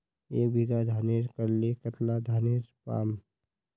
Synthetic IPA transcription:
eːk̚bʱiɡad̪ʱaːneːɾkəɾlekət̪lad̪ʱaːneːɾpa̰ːm

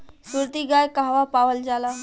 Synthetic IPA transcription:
suɾt̪iɡajkaɦʋapaʋəld͡zala

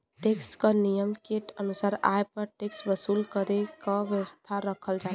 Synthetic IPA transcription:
ʈekskənijəmkeʈənusaɾaepəɾʈeksbəsulkəɾekɔbjəwəst̪ʰaɾəkʰəld͡ʒa

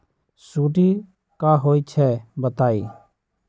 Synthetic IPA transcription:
suːʈi | kaːɦoːit͡ʃʰɛbət̪aːḭː

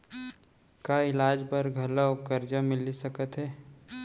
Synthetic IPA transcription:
kaɪlaːd͡ʒbəɾɡʱɐlaokɐɾd͡ʒãmɪlisɐkət̪ɦɛː

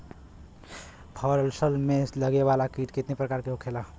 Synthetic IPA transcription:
pʰɔːɾəlsəlmẽləɡeʋaːlakiːʈkɪt̪nepɾəkaːɾkeɦukʰela

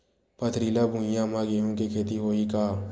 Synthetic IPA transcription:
pɐt̪ʰɾiːlabʱũjãmaɡeɦũkekʰeːt̪iɦoːikaː

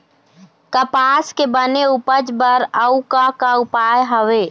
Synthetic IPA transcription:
kəpaskebəneupəd͡ʒbəɾəukakaupajɦəʋe

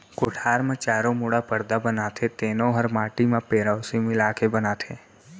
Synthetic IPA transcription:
koʈʰaɾmãt͡ʃaɾomuɽapəɾd̪abənat̪ʰet̪enoɦəɾmaʈimãpeɾaʋsimilakʰebənat̪ʰe

